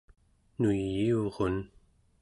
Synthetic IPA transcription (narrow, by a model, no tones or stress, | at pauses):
nujːioʁon